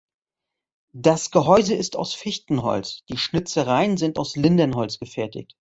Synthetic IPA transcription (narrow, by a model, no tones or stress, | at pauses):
d̥asɡ̥əɦɔʏzəɪsta̰ʊsfɪçtn̩ɦɔ̰lt͡sd̥iːʃnɪt͡səʁaɪənzɪnta̰ʊslɪndənɦɔlsɡ̥əfɛɐtɪ̰çt